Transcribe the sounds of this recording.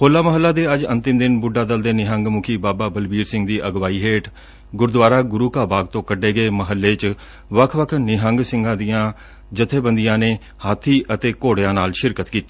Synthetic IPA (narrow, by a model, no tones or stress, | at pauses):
kʰoːlːaːməɦəlːaːd̪eːəd͡ʒənt̪ɪmd̪ɪnbʊɖaːd̪əld̪eːnɪɦəŋɡmʊkʰiːbaːbaːbəlbiːɾsɪ̃ŋɡd̪iːʔəɡʋaːiːɦeːʈʰ | ɡʊɾd̪ʋaːɾaːɡʊɾuːkaːbaːɡ̚t̪õːkəɖeːɡəeːməɦəlːeːt͡ʃ | ʋəkʰʋəkʰnɪɦəŋɡsɪ̃ŋɡãːd̪ijãː | d͡ʒət̪ʰːeːbənd̪ijãːneː | haːt̪ʰːiːʔət̪eːkoːɽejãːnaːlʃɪɾkət̪kiːt̪iː